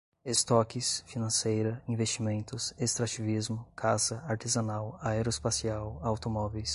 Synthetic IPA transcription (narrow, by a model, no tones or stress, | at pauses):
est̪ɔkɪsfinɐ̃sejɾɐĩvest͡ʃimẽnt̪ʊsest̪ɾat͡ʃivizmʊkʰasɐaɾt̪ezɐnawaeɾoɪspasiawawt̪omɔvejs